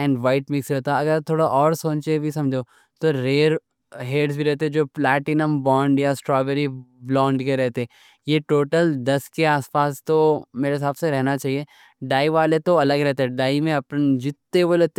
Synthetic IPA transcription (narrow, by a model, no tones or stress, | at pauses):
ɛ̃ːɳɖʋaɪʈmɪksɾɛɦt̪aɐɡəɾt̪ʰoːɽaʔɔːɾsõːnt͡ʃebʱisɐ̃md͡ʒʱoː | t̪oɾeːɾ | ɦeːɖsbʱiɾɛɦt̪eɛ̃d͡ʒoːplɛːʈɪnəmbɔ̃ːɳɖjasʈɾɔːbeɾiblɔ̃ːɳɖkeɾɛɦt̪eɦɛ̃ | jeʈoːʈəld̪ɐskeaːspaːst̪omeːɾes̬aːbseɾɛɦnat͡ʃaːɦieː | ɖaːiʋaːlet̪oɐləɡɾɛɦt̪eɦɛ̃ɖaːimẽɐpnd͡ʒɪt̪ːeboːlɛt̪